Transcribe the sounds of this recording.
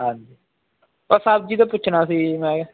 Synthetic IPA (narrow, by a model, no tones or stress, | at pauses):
ɦãɲd͡ʒiː | bəsaːb̚d͡ʒiːt̪ãːpʊt͡ʃʰnaːsiːmɛ̃ː